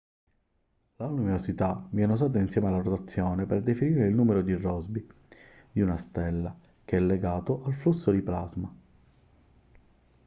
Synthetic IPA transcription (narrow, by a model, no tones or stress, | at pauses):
laluminosit̪aviɛnozaːt̪̬ainsjɛːmealːarot̪at̪sːjɔːneperd̪efiniːɾeilnuːmeɾod̪irːɔzbi | d̪iunast̪ɛlːa | k̟eɛlːeɡaːt̪ʊʔalflusːod̪iplazma